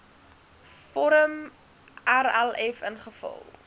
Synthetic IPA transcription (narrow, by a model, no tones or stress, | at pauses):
fɔɾəm | aɾɛlɛfənχəfɐ̰lˠ